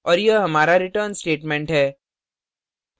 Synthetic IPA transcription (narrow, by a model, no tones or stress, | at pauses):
ɔːɾjəɦɐmaːɾaɾɪʈəɾnsʈeːʈmẽɳʈɦɛː